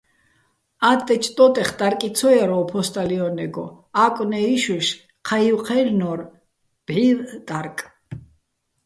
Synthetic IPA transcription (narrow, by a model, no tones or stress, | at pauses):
at̪ʼːɛt͡ʃʰʼt̪ʼɔt̪ʼɛχt̪ʼaɾkʼisʰɔjaɾɔpʰɔst̪ʼaliɔnɛɡɔ̰ | akʼwnɛiʃwɛʃ | qʰaiwqʰɛlnɔɾ | b̥ʕiɾt̪ʼaɾkʼ